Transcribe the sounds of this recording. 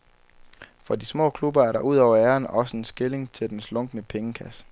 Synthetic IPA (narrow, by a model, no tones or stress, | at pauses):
fɒ̽dismɔ̰ːkʰlub̥ɐæɐɾɑ̈ʔuð̰ˠɒʊ̰ɐæːɐnɒ̽səe̝nsɡ̥e̝le̝ŋt͡sʰe̝ld̥enslɔ̽ŋ̰ɡ̥ənəpʰeŋəkʰæsə̥